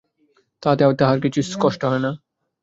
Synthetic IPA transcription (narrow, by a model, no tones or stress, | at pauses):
t̪at̪eaot̪aɦaɾkit͡ɕʰuskɔʃʈoɦɔena